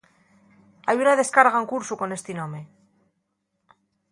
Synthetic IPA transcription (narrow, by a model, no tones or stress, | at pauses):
ajunaðe̞skaɾɣaŋkuɾsuko̞ne̞st̪inõ̞me